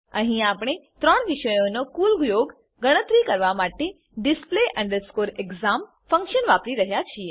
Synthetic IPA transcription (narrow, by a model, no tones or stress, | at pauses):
ə̃ɦĩaːpɽ̃et̪ɾəɳ̃ʋiʃəjõnokuːlɡjoɡ | ɡəɽ̃ət̪ɾikəɾʋamaʈe | ɖɪspleʔə̃ɳɖəɾskoːɾeɡzam | fə̃ŋkʃənʋapɾiɾəɦjat͡ɕʰije